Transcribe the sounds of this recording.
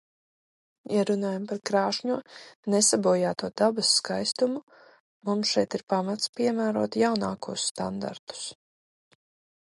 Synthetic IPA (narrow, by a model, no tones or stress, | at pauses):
jaɾunaːjampaɾkɾaːʃɲuɔnesabuɔjaːt̪uɔd̪̥abasːkajst̪umu | mumsʃɛjt̪iɾpamat̪spʲiɛmæːɾuɔt̪jawnaːkuːsːt̪a̰nd̪a̰ɾt̪u̥s